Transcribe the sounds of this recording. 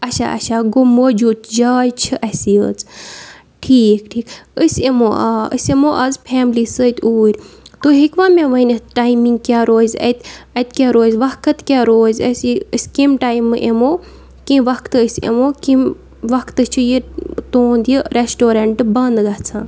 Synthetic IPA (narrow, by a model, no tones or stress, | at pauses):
ɐt͡ʃʰa̰ʔɐ̰ʃʰaːɡomoːd͡ʒuːdt̪d͡ʒaːjt͡ʃʰɨʔɐsiə̰ːt͡s | ʈʰiːkʈʰiːkəsʲemoːaə̰semoːʔɐzpʰɛːmlisət̪ʲʰuːɾʲt̪oːɦikʋaːmʲẽʋɐinʲɐʈaːimiŋɡ̚kjaːɾoːzʲɐ̰t̪ɐt̪kʲaɾoːzʲʋɐkʰɐt̪kʲaːɾoːzʲɐsiəsʲkimʈaːimʔemoː | kĩʋɐkt̪ɨəsʲḛmoːkĩm | ʋɐkʰt̪ɨt͡ʃʰɨjit̪oːnd̪jiɾesʈoːɾɐɳʈbɐnd̪ɡɐt͡sʰãːn